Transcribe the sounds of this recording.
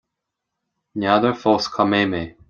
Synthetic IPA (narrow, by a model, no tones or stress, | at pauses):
nʲaðəɹfɔːskʰameːmeː